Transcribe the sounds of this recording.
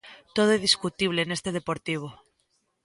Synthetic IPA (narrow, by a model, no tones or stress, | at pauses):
t̪oðoeðiskut̪iβ̞leːnest̪eð̞epoɾt̪iβ̞o